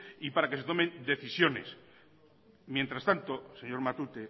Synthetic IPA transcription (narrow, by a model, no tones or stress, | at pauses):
ipaɾake̞se̞t̪o̞mend̪e̞θisjo̞ne̞̰s | mje̞nt̪ɾast̪ant̪oseɲo̞ɾmat̪ut̪e